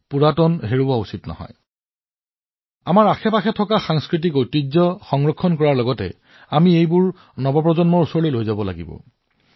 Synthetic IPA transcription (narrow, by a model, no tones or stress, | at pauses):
puɹatɔnɦeɹubausitnɔ̰ɦɔ̰j | amaɹaxʰɛpaxɛtʰɔkaxaŋskɹit̬ikojtizzɔxɔŋɹɔkʰːɔnkɔɹaɹlɔɡɔtɛ̰ | amiejbʊɹ | nɔbɔp̬ɹɔzɔnmɔɹusɔɹlelojzabɔla̰ɡibɔ̰